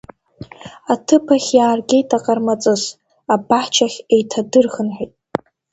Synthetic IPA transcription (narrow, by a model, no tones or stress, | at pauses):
atʰɨpʰaχʲjaːrɡʲe̞jtʰaqʼarmat͡sʼɨz | abaħt͡ʃʰaχʲejtʰadɨrχənħʷijtʼ